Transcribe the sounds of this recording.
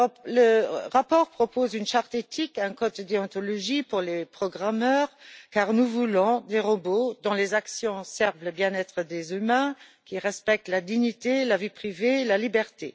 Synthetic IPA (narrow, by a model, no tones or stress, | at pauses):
ləʁapɔːʁpχɔpoːzynʃaʁt̪et̪ʰikɛ̃kɔd̪əd̪eɔ̃t̪ɔlɔʒipuʁlepχɔɡʁamœːʁkaːʁnuvulɔ̃d̪eʁəbod̪ɔ̃lezaksjɔ̃sɛʁvləbjɛ̃nɛt̪χəd̪ezymɛ̃ | kiʁɛspɛk̚t̪lad̪iɲit̪elavipχivelalibɛʁt̪e